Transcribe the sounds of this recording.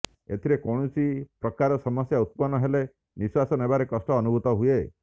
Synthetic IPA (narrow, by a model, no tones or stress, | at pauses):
ḛt̪ʰiɾekɔɽ̃usʰipɾɔkaɾɔsɔmɔsjaut̪̚pɔnːɔɦele | niswasɔnebaɾekɔsʈɔːnubʱut̪ɔɦue